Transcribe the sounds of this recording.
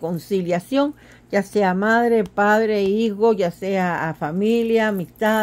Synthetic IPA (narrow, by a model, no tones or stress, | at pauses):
konsiljasjoŋ | d͡ʒaseamaðɾepaðɾeixojaseaːfamiljamist̪a